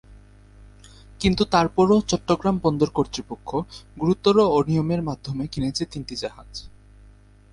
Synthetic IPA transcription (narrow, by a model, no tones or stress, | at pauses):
kint̪ut̪aɾpɔɾot͡ɕɔʈːoɡɾambɔnd̪oɾkoɾt̪ɾipokʰːoɡuɾut̪ːoɾoonijomeɾmad̪ʱːomekinet͡ɕʰet̪inʈid͡ʑaɦad͡ʑ